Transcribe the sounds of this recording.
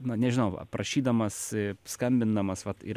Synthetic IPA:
nʊnʲɛʒʲɪnɐʊʋɐ̰prʔɐʃʲiːd̪ɐmɐsskɐmʲbʲɪnd̪ɐmɐsʋɐt̪ɪ̰

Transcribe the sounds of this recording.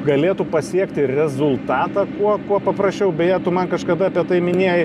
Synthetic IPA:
ɡɐlʲeːt̪ʊpɐsʲiɛkt̪ʲɪrʲɛzʊlˠt̪ɑːt̪ɑkuɔkuɔpɐpɾɐsʲt͡ʃʲɛʊbʲɛjeːt̪ʊmɐnkɐʃkɐd̪ɐɐpʲiɛt̪ɐɪmʲɪnʲeɛjɪ

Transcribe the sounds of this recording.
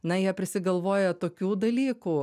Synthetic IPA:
nɐjiɛpʲɾʲɪsʲɪɡɐlˠʋoːjɛt̪oːkʲuːd̪ɐlʲiːkuː

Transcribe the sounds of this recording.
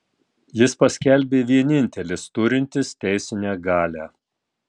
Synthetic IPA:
jɪspɐsʲkʲɛlʲbʲeːʋʲiɛnʲɪnʲt̪ʲɛlʲɪst̪ʊɾʲɪnʲt̪ʲɪst̪ʲɛɪsʲɪnʲæːɡɑːlʲæ

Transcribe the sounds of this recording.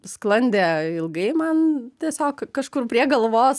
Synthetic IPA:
sklˠɐnʲd̪ʲeːɪlˠɡɐɪmɐnt̪ʲiɛsʲoːkkɐʃkʊrpʲɾʲiɛɡɐlˠʋoːs

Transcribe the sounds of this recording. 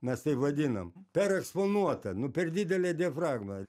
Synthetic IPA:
mʲɛst̪ɐɪpʋɐd̪ʲinɐmpʲɛɾɛksponuɔt̪ɐnʊpʲɛrd̪ʲid̪ʲɛlʲed̪ʲiɛfɾɑːɡmɐ

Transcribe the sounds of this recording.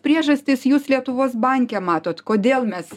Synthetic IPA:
pʲɾʲiɛʒɐsʲt̪ʲɪsjuːslʲiɛt̪ʊʋoːsbɑŋʲkʲɛmɑːt̪oːt̪koːd̪ʲeːlˠmʲɛs

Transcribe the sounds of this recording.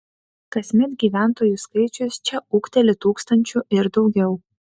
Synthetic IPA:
kɐsʲmʲɛt̪ɡʲiːʋʲæˑnt̪oːjuskɐɪt͡ʃʲʊst͡ʃʲɛʊkt̪ʲɛlʲɪt̪uːkst̪ɐnʲt͡ʃʲʊɪɾd̪ɒʊɡʲɛʊ

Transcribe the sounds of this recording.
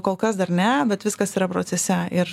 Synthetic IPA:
koːlˠkɐsd̪ɐɾnʲɛbʲɛt̪ʋʲɪskɐsiːɾɐpɾoːsʲɛsʲɛɪɾ

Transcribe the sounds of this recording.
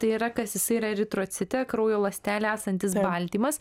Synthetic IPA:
t̪ɐɪiɾɐkɐsjɪsɐɪiɾɐɾʲɪt̪ɾoːt̪sʲɪt̪ʲɛkɾoːjoːlˠɐsʲt̪ʲæːlʲɛæːsɐnʲt̪ʲɪs̬bɐlʲt̪ʲiːmɐs

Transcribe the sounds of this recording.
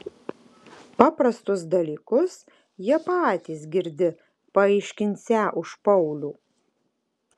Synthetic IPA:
pɑːpɾɐst̪ʊs̬d̪ɐlʲiːkʊs | jiɛpaɑːt̪ʲiːs̬ɡʲɪɾʲd̪ʲɪ | pɐɛɪʃʲkʲɪnʲsʲæʔʊʃpɐʊlʲuː

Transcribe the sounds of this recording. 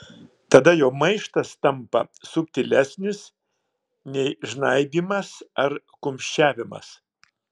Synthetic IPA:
t̪ɐd̪ɐjoːmɐɪʃt̪ɐst̪ɐmpɐ̰sʊpʲt̪ʲɪlʲæsʲnʲɪs | nʲɛɪʒnɐɪbʲiːmɐsɐɾ | kʊmʲʃʲt͡ʃʲæːʋʲɪmɐ̰s

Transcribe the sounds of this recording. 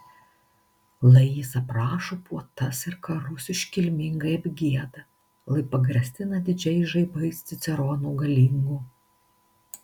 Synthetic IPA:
lˠɐjisɐpɾɑːʃoːpuɔt̪ɐsɪɾkɐɾʊsʲɪʃʲkʲɪlʲmʲɪŋɡɐɪɐbʲɡʲiɛd̪ɐ | lˠɐɪpɐɡɾʲɛsʲt̪ʲɪnɐd̪ʲɪd͡ʒʲɛɪʒɐɪbɐɪsʲt̪ʲɪt̪sʲɛɾɔːnuːɡɐlʲiːŋɡuː

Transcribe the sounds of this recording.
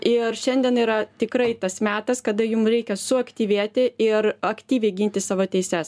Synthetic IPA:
ɪrʃʲɛnʲd̪ʲiɛniːɾɐt̪ʲɪkɾɐɪt̪ɐsmʲæːt̪ɐskɐd̪ɐjʊmɾʲɛɪkʲɛsʊɐkt̪ʲiːʋʲeɛt̪ʲɪɪɾɐkt̪ʲiːʋʲɛɪɡʲɪnʲt̪ʲɪsɑːʋoːt̪ʲɛɪsʲɛs

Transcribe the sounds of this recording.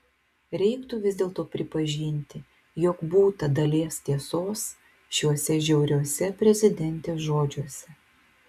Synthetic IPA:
ɾʲɛɪkt̪uʋʲɪzʲd̪ʲeːlˠt̪oːpʲɾʲɪpɐʒʲinʲt̪ʲɪ | jɔkbuːt̪ɐd̪ɐlʲeːst̪ʲiɛsoːs | ʃʲuɔsʲɛʒʲɛʊɾʲuɔsʲɛpʲɾʲɛzʲɪd̪ʲɛnʲt̪ʲeːʒoːd͡ʒʲuɔsʲɛ

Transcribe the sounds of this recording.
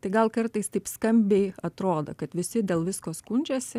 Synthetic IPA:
t̪ɐɪɡɐlˠkɐrt̪ɐɪst̪ɐɪpskɐmʲbʲɛɪɐt̪ɾoːd̪o̰kɐt̪ʋʲɪsʲɪd̪ʲeːlˠʋʲɪskoːskunʲd͡ʒʲoːsʲɪ

